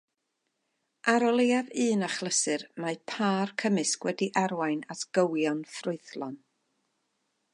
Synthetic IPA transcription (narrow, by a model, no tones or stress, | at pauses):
ʔaɾɔlˠejaðɨːnaχlˠəsɨrmapʰaːrkʰəmɨskwɛdiʔaɾwajnatɡ̥əwjɔnfrʊɨθlˠɔn